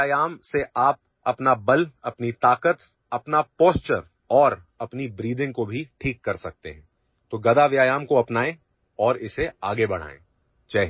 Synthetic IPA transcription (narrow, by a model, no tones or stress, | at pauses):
aːjaːmseʔaːp̚ | ɐpnabɐlɐpnit̪aːkət̪ | ɐpnapoːst͡ʃəɾ | ɔːɾ | ɐpnibɾiːd̪ɪ̃ŋɡ̚kobʱiʈʰiːkːɐɾsɐk̚t̪eɦɛ̃ː | t̪oːɡɐd̪aʋjaːjaːmkoɐpnaːẽ | ɔːɾɪseaːɡebɐɽ̤̃a̰ːḛ̃ː | t͡ʃaːɦ